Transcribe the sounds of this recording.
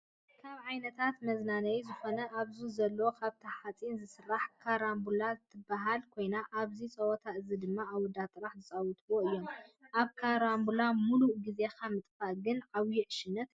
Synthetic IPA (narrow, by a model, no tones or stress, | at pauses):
kʰaβʕajnɐt̪ʰat̪mɐznanɐjzɨxonɐʔaβzuzɐlːɐwokʰaβt̪ʰɐħat͡sʼinzɨsɨrːaħkʰaɾambulat̪ʰːɨbaɦalkʰo̞jnaʔaβzit͡sʼɐwɔt̪ʰaʔɨzid̪ɨmːaawɔd̪at̪ʼɨɾaħzɨt͡sʼawut̪ʰʼboɨjːo̞mʔaβkʰaɾambulamuluʔɡize̞xʰamɨt̪ʼfaɡɨnʕawjiʕʃɪnɐt̪